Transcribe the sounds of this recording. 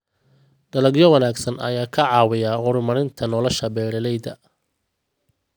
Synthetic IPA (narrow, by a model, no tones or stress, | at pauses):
ɖ̥ɐlɐɡjɔwɐnaːɡsɐnɐ̰jaːkʰɐʕɑːwɪjaːhʊɾʊmɐɾɪnt̪ʰɐnɔlɐʃɐbɛːlɛlɛjðɐ